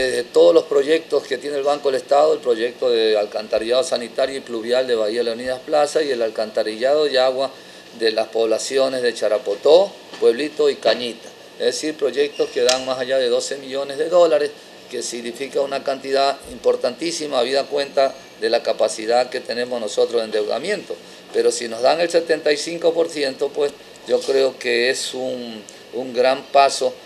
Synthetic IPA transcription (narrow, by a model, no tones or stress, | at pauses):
ezðet̪o̞ð̞ozlo̞spɾo̞ʝe̞k̚t̪o̞ske̞t̪jenelβaŋkoelest̪aðoelpɾo̞ʝe̞k̚t̪o̞ðealkant̪aɾiʝaðosanit̪aɾjoipluβjald̪e̞βaialeuniðasplasasie̞lalkant̪aɾiʎaðo̞ðeaɣwa | ðe̞laspo̞βlasjo̞ne̞zðe̞t͡ʃaɾapo̞t̪o̞ | pwe̞βlit̪o̞ikaɲit̪ḁ | ezðesiɾpɾo̞ʝe̞k̚t̪oske̞ðaŋmasaʝaðe̞ðo̞se̞miʎo̞ne̞zðe̞ðo̞laɾes | ke̞siɣnifikaunakant̪iðaimpo̞ɾt̪ant̪isimaβiðakwe̞nt̪a | ðe̞lakapasiðaðke̞t̪ene̞mosnoso̞t̪ɾose̞nd̪e̞wða̰mje̞nt̪o̞ | pe̞ɾosino̞zðaŋe̞lse̞t̪e̞nt̪ajsiŋko̞po̞ɾsje̞nt̪o̞pwes | d͡ʒo̞kɾe̞okeesuŋ | uŋɡɾampaso̞